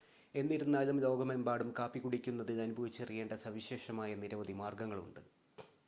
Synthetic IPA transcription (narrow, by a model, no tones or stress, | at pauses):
e̞nːiɾunːaːlɐmlo̞ːɡɐmembaːɽumkaːpːiɣuɽikʲːunːɐðɨɐnubʱɐʋit͡ɕːɐrije̞ːɳɖɐsɐʋiɕe̞ːʂɐmaːjɐniɾɐʋɐðimaːrɡɐŋːɐɭṵɳɖɨ